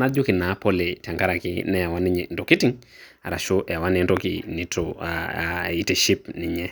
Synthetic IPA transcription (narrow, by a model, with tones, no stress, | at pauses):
na˦d͡ʒo˦kɪ˨na˨˦po˦le˨ta˨ŋɡa˦ɾa˨kɪ̰˦nɛ˦ja˨wa˦ni˦ɲndo˨ki˦ti˦ŋ | a̰˨ɾa˨ʃo˦ʔa˨wa˦ne˨nto˦kḭni˨to | i˨te˨ʃi˦pni˨ɲɛ˦